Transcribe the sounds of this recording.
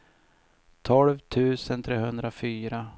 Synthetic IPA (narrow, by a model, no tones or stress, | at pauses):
t̪ʰɔlvt̪ʰʉ̟ːsənt̪ʰɾeːhɵnd̪ɾafyːɾa